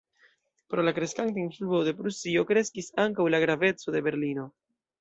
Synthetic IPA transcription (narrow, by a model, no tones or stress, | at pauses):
pɾo̞lakɾeskantainfluo̞de̞pɾusio̞kɾe̞skisaŋkawlaɡɾave̞t͡so̞de̞be̞ɾlino̞